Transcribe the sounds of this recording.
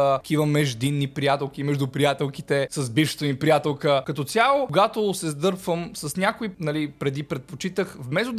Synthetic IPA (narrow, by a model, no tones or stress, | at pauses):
kʰivəmɛʒd̪inːipɾijat̪ɛlˠk̟imɛʒd̪upɾijat̪ɛlˠkit̪ɛsɐzbiʃt̪ɛnipɾijat̪ɛlˠkəkɐt̪ɔsʲalˠokoɡat̪osɛzd̪ɤɾpvəmsɐsnʲakoinɐlipɾɛd̪ipɾɛt̪̚pot͡ʃit̪əxvmɛzʊd̪